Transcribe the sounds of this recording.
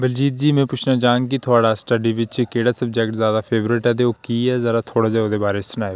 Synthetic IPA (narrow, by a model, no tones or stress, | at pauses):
bəld͡ʒiːt̪̚d͡ʒiːmɛ̃ːpʊt͡ʃʰnaːd͡ʒãːŋɡkɪt̪ʰʊaːɽaːsʈəɖiːʋɪt͡ʃkeːɽaːsəb̚d͡ʒɛːkʈzjaːd̪aːpʰeːʋɾɪʈɛːt̪̬eːoːkiːɛːzəɽaːt̪ʰoːɽaːd͡ʒaːoːd̪eːbaːɾeːsənaːe